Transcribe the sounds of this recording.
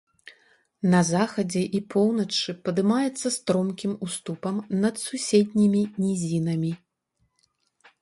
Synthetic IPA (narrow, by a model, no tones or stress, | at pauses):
nɐzaxɐd͡zʲɛʔipʰɔwnɐt͡ʂɨpɐd̪ɨmajɛt̪sːɐst̪ɾɔmkʲimust̪upɐmnɐd̪susʲed̪ʲnʲimʲinʲizʲinɐmʲi